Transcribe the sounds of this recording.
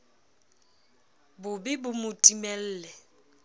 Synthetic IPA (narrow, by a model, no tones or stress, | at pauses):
bʊbɪbʊmʊtʼimɛl̩ːlɛ